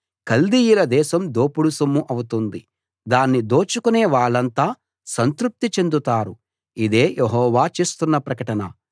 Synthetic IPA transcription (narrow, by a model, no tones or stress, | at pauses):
kɐld̪ijilɐd̪ɛːʃɐmd̪o̞ːpuɽusɐmːuʔɐwut̪und̪i | d̪aːnːid̪o̞ːt͡ʃukuneːʋaːɭːɐnt̪aː | sɐnt̪ɾup̚t̪it͡ʃe̞nd̪ut̪aːɾu | id̪e̞ːjʔeɦɔːʋaːt͡ʃeːst̪unːɐpɾɐkɐʈɐnɐ